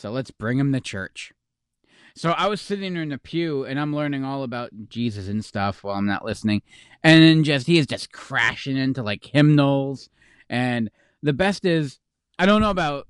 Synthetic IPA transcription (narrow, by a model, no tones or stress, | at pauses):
soʊlətsb̥ɹɪ̃ŋɨ̃mðɨt͡ʃʰɜ̰˞t͡ʃ | soʊaɪwʌz̥sɪɾɪ̃ŋə̃˞nɨpʰjʉɨ̃ñãɪ̃mlɜ̃˞nɪ̃ŋɔlˠəbaʊt̚d̥ʒ̥izɨsɨ̃n̩stʌfwaɪlˠãɪ̃mnə̰ʔlɪsnɪ̃ŋ | ʔɨ̃nɨ̃nd͡ʒʌst̚hiɨzd͡ʒʌskʰɹ̥æ̰ʃɪ̃ŋɪ̃ntulaɪkhɪ̃mnl̩ˠz̥ | ʔɨ̃n | ðɨbɛstɪz | aɪɾõʊ̃nːoʊəbaʊt̚